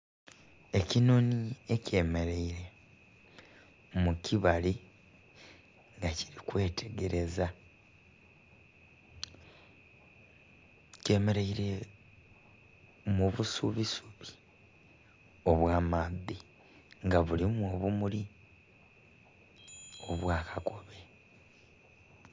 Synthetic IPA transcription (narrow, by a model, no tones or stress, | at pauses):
e̞cino̞niece̞ːme̞ɾeiɾe̞ | muciβali | ŋɡaci̥ɾikwe̞ːtʰe̞ɡe̞ɾe̞za | ce̞ːmeɾeiɾe̞ | muβusuβisuβi̥ | o̞βwaːmaði | ŋɡaβulimwoβumuli | o̞βwaːkʰako̞βe̞